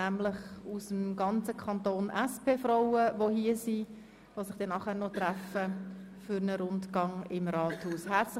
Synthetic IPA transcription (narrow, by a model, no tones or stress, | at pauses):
æmlɪχusəmɡɑnt͡səkʰɑnt̪oːnʔɛspʰeːfroʊəvohiəsi | ʋosɪχd̥ɛnːɑχæːɾnɔt̪ɾɛfə | fʏɾnəɾʊntɡ̥ɑŋɪmrɑːthuːshɛt͡s